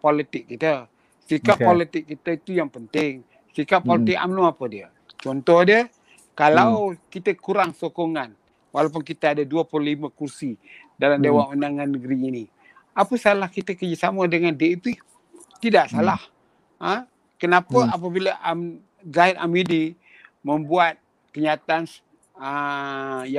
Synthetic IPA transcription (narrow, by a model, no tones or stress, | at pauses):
pɔlit̪ɪk̚ːit̪ə | sikapolit̪ɪkːit̪əit̪ujaŋpənt̪ɪŋ | sikaʔ̚pɔlit̪ɪk̚a̰mluapədiə | t͡ʃɔnt̪ɔhdiə | kalawkit̪əkuɾaŋsokɔŋan | walap̬ʊnkit̪əadaduəpululiməkursi | dalamdewaŋundaŋanːəɡɾiːni | apəsalahkit̪əkəd͡ʒəsamədəŋandeipi | t̪idaʔsalah | ə | kənapəap̬əbiləʔam | zaɪd̪a̰midi | məmbuat̪̚ | kəɲat̪aan | ə | ja